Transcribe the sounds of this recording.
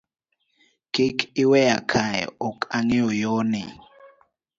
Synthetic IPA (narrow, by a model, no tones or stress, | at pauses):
kikʰiwɛjakʰaj̰ɔkʰʼaŋɛɔjɔnɛ